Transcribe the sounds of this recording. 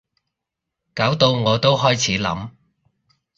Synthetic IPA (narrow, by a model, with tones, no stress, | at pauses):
kaː˨˥wt̪o˧wŋɔː˨˧t̪o˥wɦɔː˥jt͡sʰiː˨˥lɐ̰˨˥m